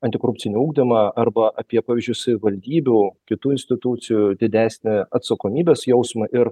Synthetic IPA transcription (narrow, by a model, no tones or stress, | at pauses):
ɐnt̪ʲɪkoːɾʊp̚ʲtt͡s̪ʲɪnʲɪuːɡd̪ʲɪmɑɐɾbɐʔɐpʲiɛpɑːʋʲiːzʲd͡ʒʲʊsɐʋʲɪʋɐlʲd̪ʲiːbʲukʲɪt̪uːɪnʲsʲt̪ʲɪt̪ut̪sʲɪjʊd̪ʲɪd̪ʲæːsʲnʲɛɐt̪sɐkoːmʲiːbʲeːsjɛʊsmɐʔɪɾ